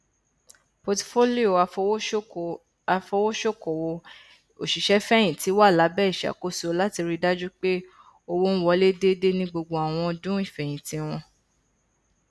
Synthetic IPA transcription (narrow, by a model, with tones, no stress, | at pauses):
po˧tfo˦li˦o˨a˨˧˦ | fɔ˧wo˦ʃo˦kɔ˨wɔ˧ | o˨ʃi˨ʃɛ˨˦fɛ˦j̃ĩ˨ti˨˦wa˦˨la˨˦bɛː˦˨i˨ʃa̰˨ko˦so˧˦la˦ti˧ɾi˧da˦d͡ʒu˦k͡pe˦ | o˧wo˦n̩˦wɔ˧˦le˦de˦de˦nĩ˦ɡ͡bo˧ɡ͡bo˧a˨w̃ɔ̃˧dũ˦i˦˨fɛ˨j̃ĩ˨tĩ˨˧w̃ɔ̃˧